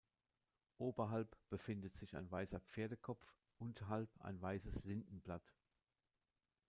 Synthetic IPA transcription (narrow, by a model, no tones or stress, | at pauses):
ʔoːbɐɦalpb̥əfɪndətz̥ɪça̰ɪnvaɪsɐp͡feːɐdəkʰɔp͡f | ʔʊntʰɐɦalpa̰ɪnvaɪsəslɪndn̩blat